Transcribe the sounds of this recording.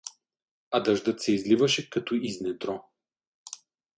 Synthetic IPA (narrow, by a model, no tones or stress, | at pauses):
ɐd̪ɐʒd̪ɤt̪sɛizlivɐʃɛkɐt̪oiznɛd̪ɾɔ